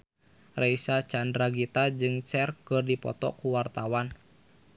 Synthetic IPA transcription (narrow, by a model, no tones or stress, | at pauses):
reisat͡ʃandɾaɡit̪ad͡ʒɨŋt͡ʃɛrkɨrdipɔ̰t̪ɔ̰kuwart̪awan